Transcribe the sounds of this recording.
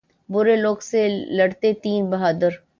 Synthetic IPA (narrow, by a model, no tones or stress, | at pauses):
bʊɾeloːɡselɐɽt̪et̪iːnbɐɦaːd̪əɾ